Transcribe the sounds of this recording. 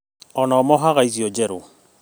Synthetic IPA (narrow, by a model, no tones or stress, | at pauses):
ɔnamɔɦaɣaiziɔd͡ʒɛɾo